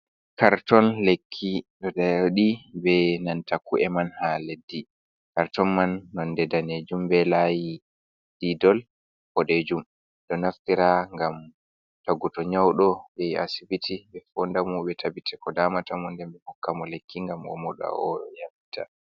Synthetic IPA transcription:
kaɾtɔnlekʰːiɗɔdaɗibɛnantakuʔɛmanhaledːi | kaɾtɔnmanːɔndɛdaned͡ʒumbɛlaji | d̥idɔl | ʔɔɗed͡ʒum | ɗɔnaftiɾaŋɡam | taɡutɔɲawɗɔbɛja̰sibitʰibɛfɔndamɔɓɛtʰabitʰɛkɔdamatamɔndɛmbɛhɔkːamɔlekːiŋɡamʔɔ̰mɔɗa̰ɔ̰jamitʰa̰

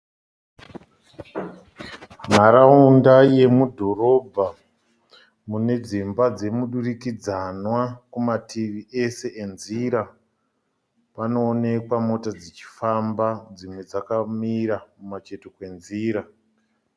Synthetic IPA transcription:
n̤aɾaundaje̞mudʱo̞ro̞bʱa | mune̞d͡zimbad͡ze̞muɗurikid͡zanwakumatʰiʋiʔe̞se̞ʔenziɾa | pano̞ːne̞kwamo̞tad͡zet͡ʃi̥fambad͡zimwe̞d͡zakamiɾamumat͡ʃe̞tokwe̞nziːɾa

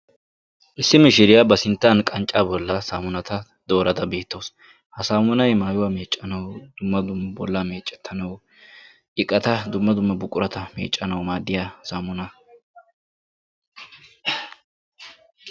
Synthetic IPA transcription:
ʔɪsːɪmɪʃɪɾɪjabɐsɪnt̪ːankʼɐnt͡ʃʼːaːbɔlːɐsaːmʊnɐt̪ɐ | d̪o̞ːɾɐd̪ɐbe̞ːt̪ːoːs | hɐsaːmʊnɐjmaːjʊwaːme̞ːt͡ʃʼːɐnɐwd̪̥ʊmːɐd̪ʊmːɐbɔlːɐme̞ːt͡ʃʼːɛ̥t̪ʰːɐnɐw | ʔɪkʼːɐt̪ɐd̪ʊmːɐd̪ʊmːɐbʊkʼːʊɾɐt̪ʰɐmḛːt͡ʃʼːɐnɐwmaːd̪ːɪjasaːmʊnɐ

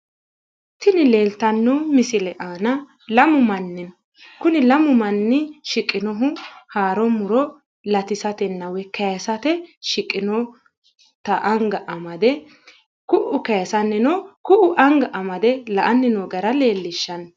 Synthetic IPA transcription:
t̪ɪnɪle̞ːlt̪ɐnːɔmɪsɪlɛʔaːnɐ | lɐmʊmɐnːɛn | kʊnɪlɐmʊmɐnːɪʃɪkʼːɪnɔɦʊhaːɾɔmʊɾɔ | lɐt̪ɪsɐt̪ɛnːɐwɛkɐjɐsɐt̪ɛʃɪkʼːɪnɔ | t̪ɐʔɐŋɡɐʔɐmɐd̪ɛ | kʊʔʊkɐjɐsɐnːɛnɔkʊʔʊʔɐŋɡɐʔɐmɐd̪ɛlɐʔɐnːɪnɔɡɐɾɐle̞ːlːɪʃːɐn

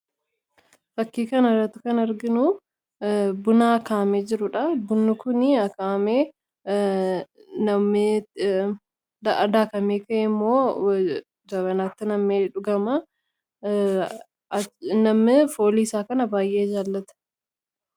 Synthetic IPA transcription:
fɐkːiːkɐnɐɾɐt̪ːʊkɐnɐɾɡɪnu | bʊnaːkaːmeːd͡ʒɪɾʊᶑɐbʊnːʊkʊnɪɐkaːmeː | nɐme | d̪ɐʔɐd̪aːkɐmeːkɐʔɪmːo̞ː | d͡ʒɐbɐnaːt̪ːɪnɐmːeːᶑʊɡɐmɐ | nɐmɪfoːliɪsaːkɐnɐbaːjʔe̞ːd͡ʒaːlːɐt̪ɐ̥

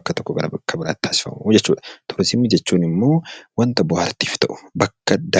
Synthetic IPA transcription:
kːɐt̪ɔkːɔɡɐɾɐbkʰːɐbɪɾa̰ːt̪ːʰaːsɪ̥fɐ̰mud͡ʒɛt͡ʃːṵːᶑɐ̥t̪ʰʊɾsɪmːɪd͡ʒɛt͡ʃːuːnɪmːo̞ːwɐnt̪ɐbʊhɐɾt̪iːft̪ɐʔʊ̥bɐkːɐd̪ɐ

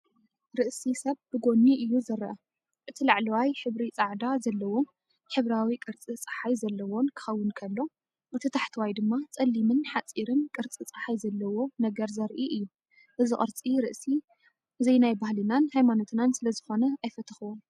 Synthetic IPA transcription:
ɾɨʔsisɐβb̥ɨɡo̞nːiʔɨjːuzɐɾɐ̰ʔɐ | ʔɨt̪ʰilaʕlɐwajħɨβɾit͡sʼaʕd̪azɐlːɐwo̞m | ħɨβɾawikʼɨɾt͡sʼit͡sʼɐħajzɐlːɐwo̞nkʰɨ̥xɐwːɨnkʰɐlːo̞ | ʔɨt̪ʰɐt̪ʰaħt̪ʰɨwajd̪ɨmːat͡sʼɐlːimɨnħat͡sʼiɾɨnkʼɨɾt͡sʼit͡sʼɐħajzɐlːɐwo̞nɐɡɐɾzɐɾʔiʔɨjːu | ʔɨzɨχʼɨɾt͡sʼiɾɨ̰ʔsi | ɨzɐjnajbahlinanhajmano̞t̪ʰɨnansɨlɐzɨxo̞nɐajfɐt̪ʰɐxuwom

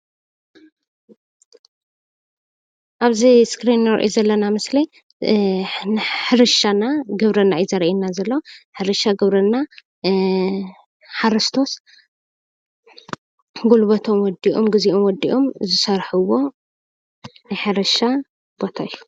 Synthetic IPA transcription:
ʔaβziskɾinɾɨ̰ʔezɐlːɐnamɨsli | ħɨɾɨʃanaɡɨβɾɐnːajizɐɾʔinːazɐlːoħɨɾɨʃaɡɨβɾɐnːa | ħaɾɨst̪ʰo̞s | ɡulβɐt̪ʰo̞mwɔd̪iʔomɡɨziʔomwɔd̪ḭʔo̞mzɨsɐɾħɨwo̞ | nɨħɨɾɐʃa | b̥o̞t̪ʰajːu̥

